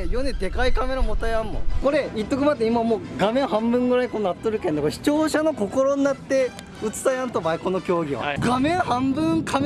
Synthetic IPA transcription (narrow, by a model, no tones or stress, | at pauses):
ejoned̪e̞kaikame̞ɾamot̪ajamːo̰ko̞ɾe̞it̪ːo̞kɯ̟mat̪ːeimamoːɡamẽ̞ɰ̃ɦãmbɯ̟̃ŋɡɯ̟ɾaiko̞noat̪ːoɾɯ̟kend̪ekoɾeɕi̥t͡ɕo̞ːɕano̞ko̞ko̞ɾo̞ɲinat̪ːe̞ | ɯ̟t͡sɨ̥t̪ajãnt̪obaiko̞no̞kʲo̞ːɡʲiβa̰ɡamẽ̞ɰ̃hãmbɯ̃ŋkʰam